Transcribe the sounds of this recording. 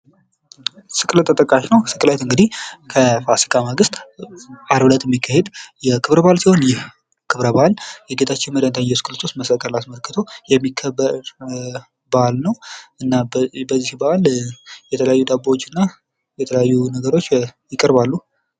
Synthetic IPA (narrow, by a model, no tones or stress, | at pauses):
sɨkʼlət̪ʼːət̪ʼəkʼːaʃnəwsɨkʼlat̪ɨŋɡɨd̪ihkʰəfasi̥kʼaməɡɨst̪ʼʔaɾbɨlət̪jɛmːikːahe̞d̪jɛkʰɨβɾəbalsiho̞njɪh | kʰɨβɾəbaljɛɡe̞t̪ʰat͡ʃːɪnməd̪ənt̪ʰaɲjɛsɨkʼɨlət̪ʰost̪məsəkʼəlasməlkʰːɨt̪ʰo̞jɛmːikʰːəbːəɾ | balnəwʔɨnːabəzːihbəaljɛt̪ʰələjajːud̪abawot͡ʃːɨnːa | jɛt̪ʰəljajːunəɡəɾo̞t͡ʃːjɪkʼːəɾbalːu